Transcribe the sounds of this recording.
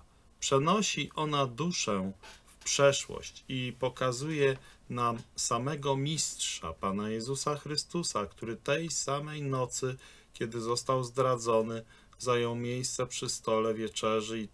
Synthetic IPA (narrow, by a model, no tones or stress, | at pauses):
pʂɛnɔɕiʔɔn̪ad̪uʂɛfpʂɛʂwɔ̰ɕt͡ɕipɔkazujɛnamsamɛɡɔmʲistʂa̰panajɛzusaxɾɘst̪usakt̪uɾɘt̪ɛjsamɛjnɔt̪sɘ | kʲɛd̪ɘzɔst̪awzd̪ɾad̪zɔnɘ | zajɔ̃w̃mʲjejst̪sɛpʂɘst̪ɔlɛvʲjɛt͡ʂɛʐɘi